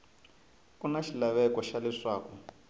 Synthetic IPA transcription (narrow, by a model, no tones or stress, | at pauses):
kunaʃilaβɛkɔʃalɛʂwaːkɔ